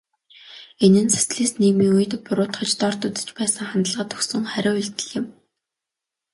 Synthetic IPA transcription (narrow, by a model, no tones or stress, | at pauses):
enɘ̆nsḁsɮiːsniːɣmiːŋujɘ̆t̪pʊɾʊːt̪χə̆t͡ɕt̪ɔrt̪ut̪ɘ̥̆t͡ɕpæːsə̆ŋχant̪ə̆ɮʁə̆t̪ʰɵ̥xsɵ̆ŋχæɾʲʊːuɮt̪ɘ̆ɮɪ̆m